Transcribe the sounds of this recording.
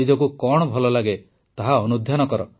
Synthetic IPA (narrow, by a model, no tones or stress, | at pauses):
id͡ʒɔkukɔɽ̃ɔbʱɔlɔlaɡe | t̪aɦaɔnud̪ʱjanɔkɔɾɔ